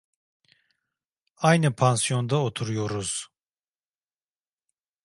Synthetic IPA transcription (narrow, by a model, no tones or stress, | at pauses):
ajnɯpʰansijo̞nd̪aot̪ʰuɾujoɾuz̥